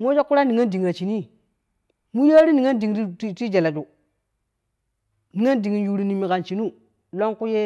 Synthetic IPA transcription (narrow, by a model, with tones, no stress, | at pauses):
mo˦d͡ʒo˦kːu˦ɾa˦ni˨ŋa˦ndi˨ŋ˨ɾa˨t͡ʃi˨ni˦ | mu˦ɾa˦ɾi˦ni˨ŋa˦ndi˨ŋ˨ɾi˦ti˦d͡ʒa˨la˨d͡ʒu˨ | ni˨ŋa˦ndi˨ŋi˨nju˨ɾi˨ni˨mi˨ka˨nt͡ʃi˨nu˦ | lo˦ŋku˦je˦